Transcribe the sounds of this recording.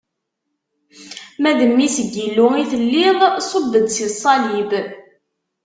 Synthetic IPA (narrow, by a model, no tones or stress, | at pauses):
mæðəmːisəɡːilːʊiθəlːiðˤsˤobːəd̪sisˤɑlib